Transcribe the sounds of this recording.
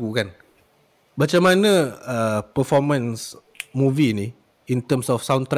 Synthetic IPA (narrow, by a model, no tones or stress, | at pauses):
ukan | mat͡ʃamãnə̃əpəfɔmə̃ns | mũviːni | int̪əmsɔfsawnt̪ɾ